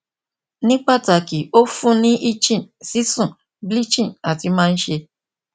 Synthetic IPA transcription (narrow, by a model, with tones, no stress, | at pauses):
nĩ˦k͡pa˦˨ta˨ki˨o˦fũ˦nĩ˦ʔi˦t͡ʃĩ˦˨nsi˦sũ˦˨ | bli˦t͡ʃĩ˦˨na˨ti˧mãː˦n̩˦ʃe˧